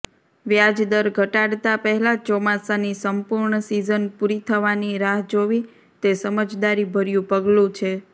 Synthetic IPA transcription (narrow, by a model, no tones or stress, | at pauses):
ʋjad͡ʒd̪əɾɡʱəʈaɽt̪apəɦɛlat͡ʃɔmasanisəmpuɾɳəsizənpuɾit̪ʰəʋaniɾaɦd͡ʒoʋi | t̪esəməd͡ʒd̪aɾibʱəɾjũpəɡlũt͡ʃʰe